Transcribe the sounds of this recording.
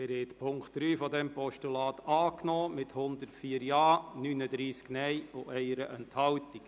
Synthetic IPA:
æːɾhɛt̪pʰʊŋktd̥ɾyːfɔd̪ɛmpɔʃtulɑːt̪ɑːknɔːmɪthʊnd̪əɾtfiːəɾjɑːnyːnədɾiːsknɛjoʔɛɪəɾəʔɛnthɑltik

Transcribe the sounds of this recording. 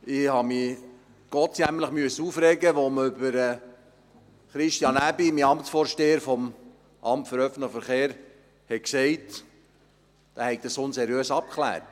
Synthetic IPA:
ɪhɑmi | ɡ̥ɔt͡sjæmləχmyəsuːfɾɛːɡəʋoməʏbəɾɛ | χɾɪʃtjɑnæbimiɑmtsfoːɾʃteːəɾfɔm | ʔɑmtfəɾœfn̩tləχəfəɾχeːɾ | hɛksɛɪt | d̥æhɛɪk̚d̥̪əsonseɾjøːsɑp̚kʰlæ̰ːrt

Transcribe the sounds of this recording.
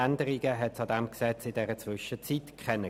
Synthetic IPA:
ændəʁɪɡəɦɛtsɑdɛmksɛt͡sɪdɛʁət͡svʏʃət͡sitkʰχɛnə

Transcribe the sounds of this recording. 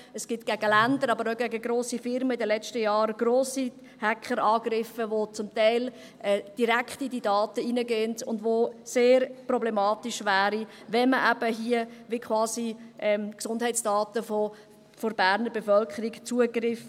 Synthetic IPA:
əsɡ̥ɪtɡ̥æɡ̥əlændəɾɑbəɾoɡæɡəɡɾoːsifɪɾməɪdəlɛt͡ʃtəjɑːɾɡ̥ɾoːsi | hækχəɾɑːɡɾɪfəʋot͡sʊmtɛɪl | ʔɛːd̥iɾækχtididɑːtəinəɡentʊndʋoseːɾprɔblɛmɑːtiʃʋæːɾi | ʋɛməʔæb̥əɦiəʋɪkχwɑːsiʔɛmksʊnd̥hɛɪtt͡sd̥ɑːtəfɔ | fɔɾbæːɾnəɾbɛfœlkχəɾikt͡suəɡrɪf

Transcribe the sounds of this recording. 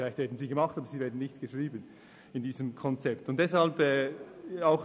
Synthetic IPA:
laɪçtv̥ɛːɐdn̩ziːɡəmɑχtɑːbəziːvɛːɐdn̩nɪçtɡ̥əʃʁiːbən | ɪndiːzəmkʰɔnt͡sɛptʊntd̥ɛshɑlbɛːaʊx

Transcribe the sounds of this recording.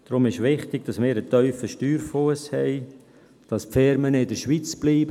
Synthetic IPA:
d̥ɾʊmɪʃʋɪχtɪɡ̥̚d̥ɑsmɪːɾət̪œʏfəʃtyːɾfuəshɛɪ | d̥ɑspfɪɾmənɪdəɾʃʋit͡sb̥liːb

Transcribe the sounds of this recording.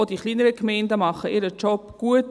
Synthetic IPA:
odiχliːnəɾəkmɛɪndəmɑχəʔɪɾət͡ʃɔpɡ̥uət

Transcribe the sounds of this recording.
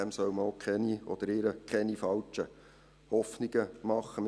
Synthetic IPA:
ɛmsœwməokʰχɛniʔɔd̪̥əɾɪɾəkʰɛnifɑlt͡ʃə | hɔfniɡ̥əmɑχːəm

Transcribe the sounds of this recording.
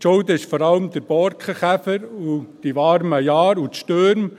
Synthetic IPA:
t͡ʃɔld̪əɪʃfɔɾɑləmd̪əɾb̥ɔɾkχəχæfəɾud̥iʋɑɾməjɑːɾutʃtøɾm

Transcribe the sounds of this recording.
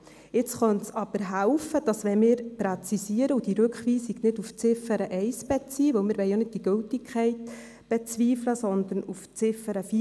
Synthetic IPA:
ɪt͡sχœntsɑb̥əɾɦæʊfəd̥ɑsʋɛmɪːɾpɾɛt͡sisiəɾəud̥iɾɵkχʋiːsiɡ̥nɪduft͡sɪfəɾəʔɛɪsb̥ɛt͡siːʋɵwmɪːɾʋɛɪjonɪd̚d̥iɡ̥ɵltɪkʰχɛɪt | b̥ɛt͡sviːfləsɔnd̪əɾnuft͡sɪfəɾəfi

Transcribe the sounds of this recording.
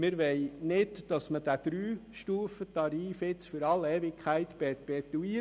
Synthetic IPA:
mɪɾʋɛɪnɪdd̥ɑsməd̥æd̪̥ɾyːʃtuːfət̪ɑɾiːfɪt͡sfʏɾɑleːvɪkʰχæɪt̪pɛpɛt̪uiː

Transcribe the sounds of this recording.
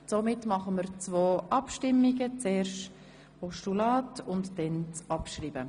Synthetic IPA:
t͡somɪtmɑχəməɾt͡svoːʔɑpʃtɪmːiɡət͡seːrʃt | pʰɔʃtulɑːtʊntd̥ɛnt͡sɑpʃriːb̥ə

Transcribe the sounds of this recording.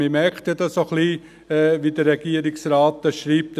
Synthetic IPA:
ɪmɛɾkt̪ədɑsoχli | ɛʋidəɛɡ̥iəɾiksɾɑːt̪ːɛʃɾiːp̚t

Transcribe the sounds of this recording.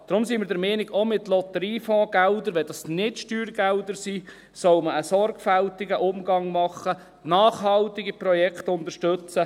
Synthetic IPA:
d̥ɾʊmsiːmɪɾdɛɾmɛnɪɡomɪtlɔt̪əɾiːfɔ̃ːɡ̥ɛld̪əɾʋɛd̥ɑsnɪtʃtyːɾɡ̥ɛld̪əɾsiː | sɔwməəsɔɾɡfæltɪɡəʔʊmɡɑŋmɑχːə | nɑːχɦɑlt̪ɪɡipɾɔjɛkχt̪ʊnt̪əɾʃtɵt͡sə

